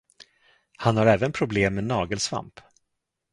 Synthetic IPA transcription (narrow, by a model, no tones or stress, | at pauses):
hanhaɾɛːvənpʰɾʊbleːmːɛnɑːɡəlsva̰mp